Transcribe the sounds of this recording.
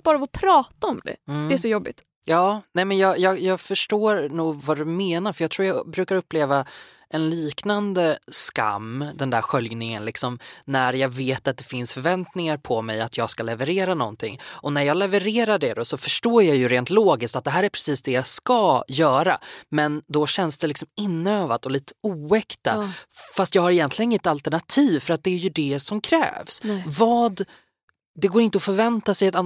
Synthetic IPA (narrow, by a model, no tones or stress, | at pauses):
b̥ɑːɾavɔpʰɾɑːt̪aɔmd̪ɛ̰ɛæʂɔjɔbːɪ̰t̪ | jɑːnɛmɛnjɑːɡjɑːɡjɑːɡfœʂʈoːɾnuːɡvɑd̪ɵmeːnaɾfœjɑɡt̪ʰɾuːjabɾʉ̟ːkaɾɵpːleːva | ʔɛnliːknand̪əska̰mːd̪ɛnd̪æɾɧœljnɪŋə̰nlɪksɔmnæɾjɑːɡveːt̪at̪̚d̪ɛfɪnsfœɾvɛnt̪nɪŋaɾpʰɔmɛjat̪ʰjɑːɡskalɛvəɾeːɾanɔ̰nt̪ʰɪ̰ŋːʔɔnæɾjɑːɡlɛvəɾeːɾaɖɛd̪ɔsɔfœʂʈoːjɑjɵɾeːnt̪loːɡɪskt̪at̪̚d̪ɛɦæːɾæɾpʰɾɛsiːsd̪ɛjaskajœːɾa̰mɛnd̪ɔɕɛnsd̪ɛlɪksɔmɪnːøːvad̪ɔliːt̪ə̥uːɛkt̪afast̪jɑːɡhaɾɪjɛnt̪lɪɡənɪŋːɛt̪alt̪æɳat̪ʰiːvfœɾat̪̚d̪ɛːɾjɵd̪ɛsɔmkʰɾɛ̰ːvsvɑːd̪ | ɛɡoːɾɪnt̪əɔfœɾvɛnt̪asɛjɛt̪a